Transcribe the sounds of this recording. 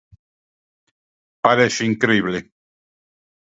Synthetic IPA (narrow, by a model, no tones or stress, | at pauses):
paɾeʃiŋkɾeiβle